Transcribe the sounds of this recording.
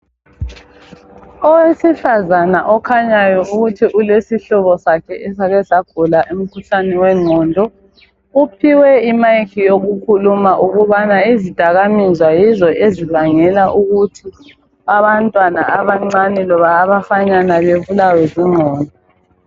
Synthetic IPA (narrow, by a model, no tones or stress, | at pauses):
ɔwesifazanaʔɔkʰaɲajɔuɣutʰiʔulesiɬɔβɔsakʰɛɛsaɣɛzaɡ̥ʱulaʔum̩kʰuɬanɛwɛŋ͡ǀʱɔːndʱɔ | upʰiwɛimajkʰijoɣukʰulumaʔuɣuβanaizid̥ʱaɣamizwajizɔʔeziβaŋɛlaʔuɣutʰi | aβantʼwana̰aβaŋ͡ǀanɛlɔβaːβafaɲanaβeβulawɛziŋ͡ǃʱɔːndʱɔ